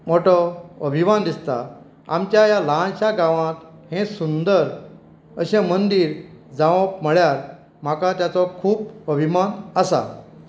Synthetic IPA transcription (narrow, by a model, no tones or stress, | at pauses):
moʈɔəbʱimand̪ist̪a̰ | a̰mt͡ɕjajaləɦãɕaɡãʋãt̪hẽsund̪əɾ | əɕẽmənd̪iːɾd͡zãʋəp̚məɭjaɾ | m̤akat̪jat͡sɔkʰuːpəbʱimanəsa̰